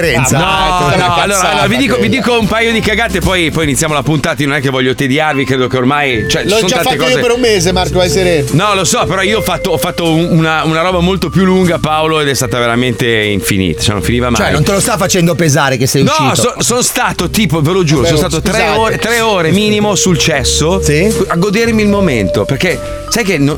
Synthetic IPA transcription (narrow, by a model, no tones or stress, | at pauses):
ɾɛnsanɔnnalːoːɾaalːoːɾavid̪iːkovid̪iːkoumpajod̪ikaɡat̪ːepɔjpɔjinit̪ːjaːmolapunt̪at̪aiononɛk̟ːevɔʎːjːot̪ed̪jarvikɾeːd̪okeormajt͡ʃoɛlojsonaaat̪ekɔizepeɾumːeːzemaɾkovajseɾennɔlosɔpeɾɔioɔfat̪ːoɔfːat̪ːouunaunaɾɔːbamolt̪opjulːuŋɡapaoloed̪ɛst̪aːt̪aveɾament̪eiɱfḭnḭːt̪ḁt͡ʃɛ̰no̰ɱfiniːvamaɛnjnõnt̪elost̪afat͡ʃɛnd̪opezaːɾekesːɛjunɔʃiːsonsonst̪aːt̪ot̪iːpovelod͡ʒuːosonost̪aːat̪ot̪sɾɛoːɾet̪ɾɛoːɾemiːnimosult͡ʃɛsːosiaɡod̪ermiːlmoment̪operke | sajkeno